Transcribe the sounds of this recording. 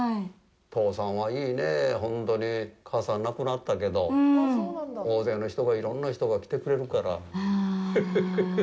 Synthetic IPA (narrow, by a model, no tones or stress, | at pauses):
t̪ʰo̞ːsãɰ̃βaiːne̞ɦõ̞nt̪o̞ɲ̟ikʰaːsãnːakɯ̟nat̪ːake̞d̪o̞ | oːze̞ːno̞çi̥t̪o̞ɡaiɾõ̞nːaçi̥t̪o̞ɡakʲi̥t̪e̞kɯ̟ɾe̞ɾɯ̟kaɾa̰